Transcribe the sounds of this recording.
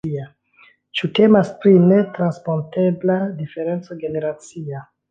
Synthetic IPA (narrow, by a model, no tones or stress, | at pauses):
ia | t͡ʃute̞maspɾine̞tɾanspo̞nte̞bladife̞ɾe̞nt͡so̞ɡe̞ne̞ɾat͡sia